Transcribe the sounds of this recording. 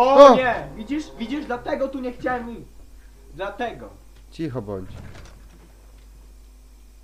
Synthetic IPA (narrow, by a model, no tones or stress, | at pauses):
ɔɔɲɛvʲid͡ʑiʂvʲid͡ʑiʐd̪lat̪ɛɡɔt̪uɲɛxt͡ɕawɛmi | d̪lat̪ɛɡɔ | t͡ɕixɔbɔɲt͡ɕ